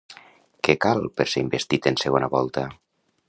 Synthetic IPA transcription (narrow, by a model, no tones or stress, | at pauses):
kekalˠpeɾseimbest̪it̪enseɣonaβɔlˠt̪a